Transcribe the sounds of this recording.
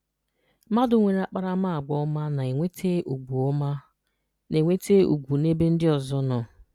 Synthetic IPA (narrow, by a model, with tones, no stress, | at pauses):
ma˦dʊ˨ŋʷe˨ɾa˨k͡pa˦ɾa˦ma˦a˨ɡ͡bɔ˨˦ɔ˦ma˦na˨e˨ŋʷe˦tʰe˦ʔu˨ɡu˨ɔ˦ma˦ | ne˨ŋʷe˦te˦ṵ˨ɡʷu˨ne˦be˦n̩˦dɪ˦ɔ˨zɔ˦nɔ˨